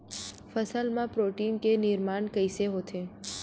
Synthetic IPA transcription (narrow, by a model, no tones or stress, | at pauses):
fəsəlmãpɾoːʈiːnkenɪɾmaːnkəɪseɦoːt̪ʰeː